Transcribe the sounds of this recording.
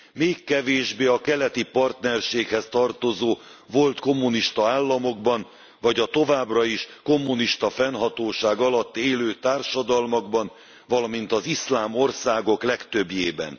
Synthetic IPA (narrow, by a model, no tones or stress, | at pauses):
meːkːɛveːʒbeːɒkɛlɛt̪ipɒrt̪nɛrʃeːkhɛst̪ɒrt̪o̞zoː | vo̞lt̪ko̞mːuniʃt̪ɒaːlːɒmo̞ɡbɒn | vɒɟɒt̪o̞vaːbrɒiʃko̞mːuniʃt̪ɒfɛnɦɒt̪oːʃaːɡɒlɒt̪ːeːløːt̪aːrʃɒd̪ɒlmɒɡ̚bɒn | vɒlɒmin̪t̪ɒzislaːmo̞rsaːɡo̞klɛkt̪ø̞bjeːbɛ̰n